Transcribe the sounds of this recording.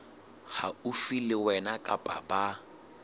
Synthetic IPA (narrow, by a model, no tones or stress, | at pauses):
haufilɪwɛnakʼapʼa̰ba